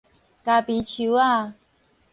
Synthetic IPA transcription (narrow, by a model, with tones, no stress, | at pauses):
ka˨˧˩pi˨˦t͡ɕʰu˨˦a˥˧